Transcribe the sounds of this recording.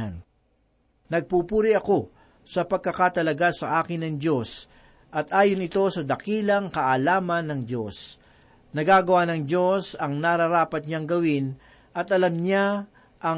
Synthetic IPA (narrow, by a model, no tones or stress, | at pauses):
an | nɐɡ̚pupuːɾɪʔɐko̞ | sɐpɐɡ̚kɐkat̪ɐlɐɡasɐʔaːkɪnːɐŋd͡ʒo̞s | ʔɐt̪ʔaːjonɪt̪o̞sɐd̪ɐkiːlɐŋkɐʔɐlaːmɐnːɐŋd͡ʒos | nɐɡaɡɐwanɐŋd͡ʒo̞sɐŋnaɾɐɾaːpɐt̪̚ɲaŋɡɐwɪn | ʔɐt̪ʔɐlɐmɲa | ʔɐ